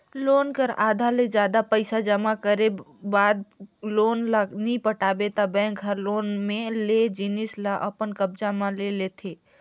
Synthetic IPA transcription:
loːnkəɾaːd̪ʱaled͡ʒjaːd̪apəɪsad͡ʒəmakəɾebaːd̪̚loːnlanĩpəʈaːbet̪abɛ̃ːkɦəɾloːnmẽled͡ʒinɪslaʔəpənkəb̚d͡ʒamãlelet̪ʰeː

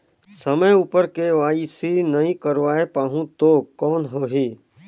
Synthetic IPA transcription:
səməjuːpəɾkeʋaːisinɐɦĩkəɾʋaːepaːɦũt̪oːkɔːnɦoːɦiː

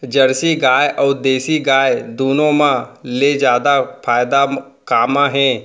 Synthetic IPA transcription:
d͡ʒɐɾsiɡaːjʔɔːɾd̪eːsiɡaːjd̪uːnõmãled͡ʒjaːd̪apʰaːjd̪a | kaːmãɦɛ̃ː

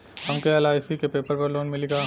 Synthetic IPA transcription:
hɐmkeɛlaːɪsikepeːpəɾpɐɾloːnmɪliɡaː

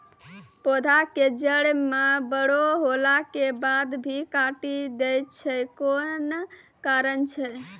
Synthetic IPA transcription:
pod̪ʱaked͡ʒəɽmebəɽoɦolakebad̪bʱikaʈid̪ɛjtt͡ʃʰɛkon | kaɾənt͡ʃʰɛ

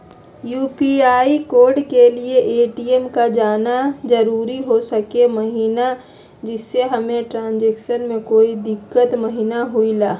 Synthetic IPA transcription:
juːpiaːikoːɾɖkelieʔeːʈiemkad͡ʒaːnad͡ʒəɾuːɾiɦosəkeməɦiːna | d͡ʒɪsːeɦɐmẽʈɾãːnd͡ʒeːkʃənmẽkoːid̪ɪkːət̪məɦiːnaɦuilaː

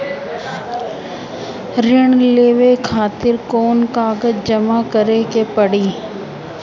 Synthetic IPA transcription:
ɾɪɳ̃leːʋekʰaːt̪ɪɾkoːnkaːɡət̪d͡ʒɐmakəɾekepəɽiː

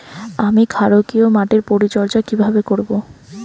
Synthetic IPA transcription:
amikʰaɾokiomaʈeɾpoɾit͡ɕɔɾd͡ʑakibʱabekoɾbo

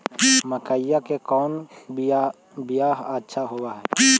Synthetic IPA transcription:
məkajakekɔːn | bɪjaːɦətːʃʰaɦowaɦɛː

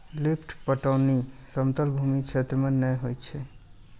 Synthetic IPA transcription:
lipʰʈpəʈəːnisəmt̪əlbʱumikt͡ʃʰet̪ɾəmenəjɦojt͡ʃʰɛ

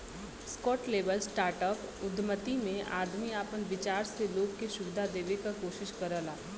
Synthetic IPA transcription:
skɔːʈleːbəlsʈaːɾʈəpʊd̪ʱmət̪imẽa̰ːd̪miaːpənʋɪt͡ʃaːɾseloːɡkeʃʊbd̪ʱad̪eːʋekakoːʃɪʃkɐɾəlaː

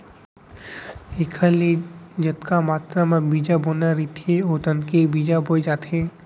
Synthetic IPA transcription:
ekʰaled͡ʒət̪kamaːt̪ɾamãbid͡ʒabonaɾit̪ʰeot̪ənkebid͡ʒabojd͡ʒaːt̪ʰe

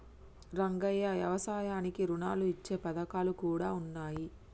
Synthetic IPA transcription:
ɾɐŋɡɐjɐʋjɐ̰ʋɐsaːjaːnikiɾunaːluit͡ʃːe̞ːpɐd̪ɐkaːlukuːɽaːunːaːji

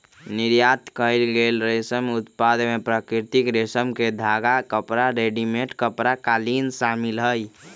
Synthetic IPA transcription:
niɾjat̪kəɪlɡelɾesəmut̪pad̪mepɾəkɾiɾt̪ikɾesəmked̪ʱaɡakəpɾaɾeɖimeʈkəpɾakalinsamilɦəj

